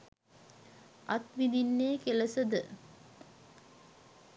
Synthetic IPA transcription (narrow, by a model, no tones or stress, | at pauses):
ʔat̪ʋid̪inːeːkeləsəd̪ə